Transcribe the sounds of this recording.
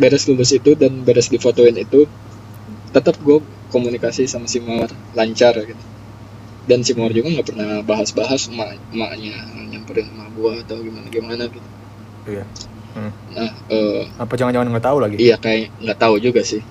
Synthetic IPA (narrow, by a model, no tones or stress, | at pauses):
beɾɛslulʊsit̪udanbeɾɛsdifot̪oɪnit̪u | t̪ət̪ap̚ɡua | komunikasisamasimar | laɲt͡ʃarjɡat̪ | dansimuard͡ʒuɡaŋɡaʔpərnabaɦasbaɦasmaʔ | maʔɲajaŋpəɾɪŋmaɡuaat̪awɡimanaɡimanaɡit̪u | uja | nahəːapad͡ʒaŋand͡ʒaŋanŋɡat̪aulaɡiijakajaʔŋɡaʔt̪aud͡ʒuɡasɪh